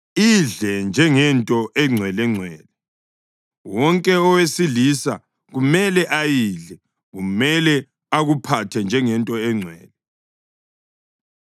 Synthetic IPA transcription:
iɮɛnd͡ʒʱɛŋɛntʼɔʔɛŋ͡ǀʱwɛlɛŋ͡ǀʱwɛːlɛ | wɔŋkʼɛɔwesilisa̰ | ɣumɛlɛʔajiɮɛ | ɣumɛlɛ | aɣupʰatʰɛnd͡ʒʱɛŋɛntʼɔɛŋ͡ǀʱwɛ̰ːlɛ

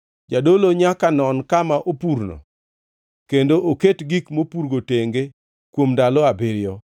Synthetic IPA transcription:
d͡ʒadoloɲakanɔnkamaʔopuɾnɔ̰ | kendoʔoketɡikmopuɾɡoteŋɡe | kwomdalɔabɪɾjɔ

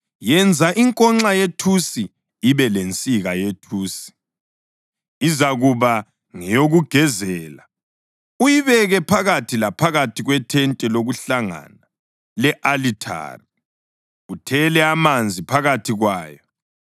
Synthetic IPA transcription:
jɛnd͡zʱaʔiŋkʼɔŋ͡ǁajetʰusi | iβɛlent͡sʼiɣajetʰuːsi̥ | izaɣuβa | ŋɛjoɣuɡ̥ʱɛzɛːla | ujiβɛɣɛpʰaɣatʰilapʰaɣatʰiɣwɛtʰɛntʼɛloɣuɬaŋa̰na | lɛʔalitʰa̰ri | utʰɛlɛamand͡zʱipʰaɣatʰiɣwaːjɔ

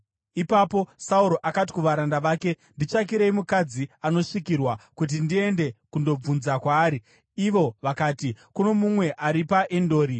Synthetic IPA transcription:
ipapo̞sauɾo̞ʔakati̥kuʋaɾandaʋaːke̞ | ndit͡ʃak̬iɾeimukad͡ziano̞ʂikirwakut̬indie̞nde̞kundo̞b͡vunzakwaːɾiː | ʋo̞ʋakaːtikuno̞mumwe̞ʔaɾipaʔendo̞ːɾi

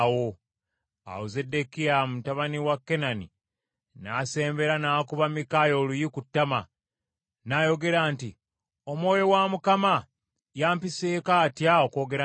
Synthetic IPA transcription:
wo̞ | a̰uze̞dːekiamutaβaniwakːe̞nanḭ | naːse̞ːmbe̞ɾanaːkuβamikaːjo̞ːlujikutːama | naːjo̞ɡe̞ɾaːnti | o̞mwo̞ːjo̞wamukama | jaːmpiseːkaːtjaoko̞ːɡe̞ɾa

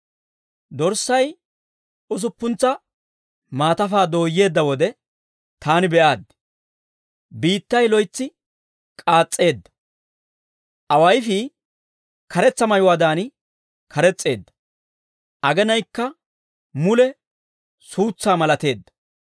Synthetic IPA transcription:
d̪ɔɾsɐj | ʊs̬ʊpːʊnt͡sːɐ | maːt̪ɐfaːd̪o̞ːjːe̞ːd̪ːɐwɔd̪ɛ | t̪aːnɪbɛʔaːd̪ | biːt̪ːɐjlɔjt͡sːɪ | kʼaːt͡sʼːe̞ːd̪ːɐ̥ | ʔɐwɐjfɪ | kɐɾɛt͡sːɐmɐjʊwaːd̪aːnɪ | kʰɐɾɛt͡sʼːe̞̰ːd̪ːɐ̥ | ʔɐɡɛnɐjkːɐ | mʊlɛ | suːt͡sːaːmɐlɐt̪e̞ːd̪ːɐ

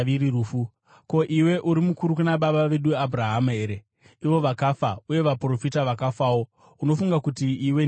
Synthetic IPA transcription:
iɾiruːfu | ko̞ʔiwe̞ʔuɾimukuɾukunaɓaɓaʋe̞ɗuabʱuraɦame̞ːɾe | iʋo̞ʋakafauje̞ʋapro̞fitaʋakafawo̞ | uno̞fuŋɡakutiiwe

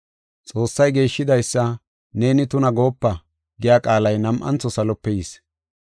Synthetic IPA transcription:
t͡sʼo̞ːsːɐjɡe̞ːʃːɪd̪ɐjsːɐ | ne̞ːnɪt̪ʊnɐɡo̞ːpːɐ | ɡɪjaːkʼaːlɐjnɐmʔɐ̰nt͡sːɔsɐlɔpːɛjis

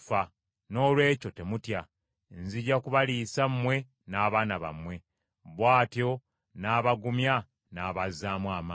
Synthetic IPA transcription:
fa | no̞ːlwe̞ːco̞te̞mutja | nziɟakuβalisamːwe̞ | naːβaːnaβa̰mwe̞ | βwaːtjo̞ | naːβaɡumja | naːβazaːmwaːmaː

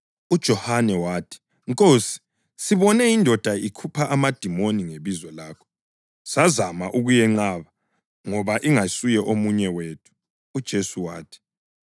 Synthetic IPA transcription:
ud̥ʒ̥ʱɔhanɛwaːtʰi̥ | ŋkʼoːsi̥ | siβɔnɛindʱɔd̥ʱaikʰupʰaʔamad̥ʱimoniŋeβizwɛlaːkʰɔ̥ | sazamaʔuɣujɛŋ͡ǃaːβa | ŋɔβaʔiŋasujɛʔomuɲɛweːtʰu̥ː | d̥ʒ̥ʱesuwa̰ːtʰi̥

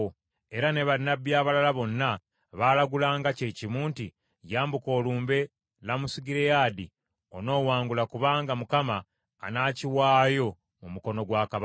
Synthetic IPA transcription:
e̞ɾane̞βainabjaːβalalaβo̞nːa | βaːlaɡulaːŋɡace̞ːcimuːnti | jaːmbuko̞ːluːmbe̞ | lamusiɡiɾejaːdi | o̞no̞ːwaːŋɡulakuβaːŋɡamukama̰ː | naːciwaːjo̞ | mumuko̞no̞ɡwaːkaβ

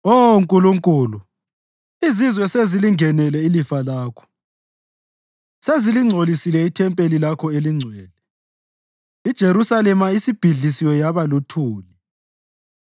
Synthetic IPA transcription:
oŋkʼuluŋkʼuːlu | izizwɛseziliŋʱɛnɛlɛilifalaːkʰɔ̥ | seziliŋ͡ǀʱolisilɛitʰɛmpʼelilakʰɔeliŋ͡ǀʱwɛːlɛ | id̥ʒ̥ʱeɾusalɛmaisib̥ʱiɮisiwɛjaβalutʰuːli

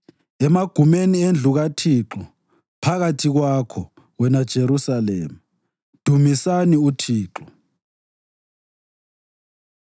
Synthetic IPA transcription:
ɛmaɡ̥ʱumeniend͡ɮʱuɣatʰiːǁɔ | pʰaɣatʰiɣwakʰɔ | ɣwɛnad̥ʒ̥ʱeɾusalḛːma | d̥ʱumisaniutʰiːǁɔ

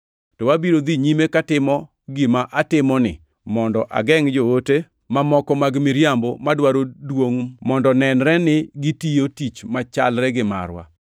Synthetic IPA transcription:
tɔwabiɾod̪iɲimekatɪmɔ | ɡɪmaʔatɪmɔnɪ̰ | mɔndɔʔa̰ɡɛŋd͡ʒoote | mamɔkɔmaɡmɪɾjambomadwaɾodwoŋmɔndɔnɛnɾɛnɪɡɪtijotit͡ʃmat͡ʃa̰lɾɛɡɪma̰ɾwa̰

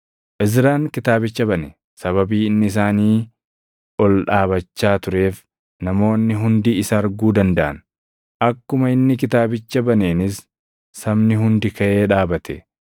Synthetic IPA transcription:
ʔɪzɾaːŋkɪt̪aːbɪt͡ʃːɐbɐnɛ | sɐβɐbiːɪnːɪɪs̬aːniː | ɔlᶑaːbɐt͡ʃːaːt̪ʊɾe̞ːf | nɐmo̞ːnːɪɦʊnd̪iːɪsɐːɾɡuːd̪ɐnd̪ɐʔɐ̰n | ʔɐkːʊmɐɪnːɪk̬ɪt̪aːbɪt͡ʃːɐbɐneːnɪsː | ɐmnɪɦʊnd̪ɪkɐʔe̞ːᶑaːbɐt̪ʰɛ

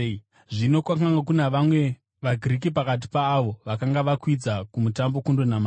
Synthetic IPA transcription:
ʐino̞kwakaŋɡak̬unaʋamwe̞ | ʋaɡʱirik̬ipakat̬i̥paːʋo̞ʋakaŋɡaʋakwid͡zakumutambo̞kundonama

